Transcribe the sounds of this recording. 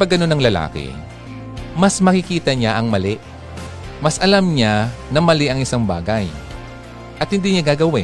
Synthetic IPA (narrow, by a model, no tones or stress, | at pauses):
pɐɡːɐno̞nɐŋlɐla̰ːkɪ̰ | mɐsmɐkɪkiːt̪ɐɲaʔɐŋmɐlɛʔ | mɐsʔɐlamɲanɐmɐlɛʔɐŋɪsaŋbaːɡɐj | ʔɐt̪̚hɪnd̪iɲaɡaːɡɐwɪ